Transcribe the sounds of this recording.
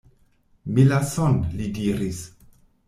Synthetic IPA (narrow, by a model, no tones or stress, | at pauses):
milasonlidiɾis